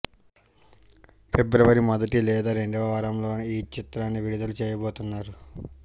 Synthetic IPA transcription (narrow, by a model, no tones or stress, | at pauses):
pʰebɾɐʋɐɾimɐd̪ɐʈilɛːd̪aːɾe̞ɳɖɐʋɐʋaːɾɐmlo̞ːniːt͡ʃit̪ɾaːnːiʋiɾid̪ɐlut͡ʃɛːjɐboːt̪unːaːɾu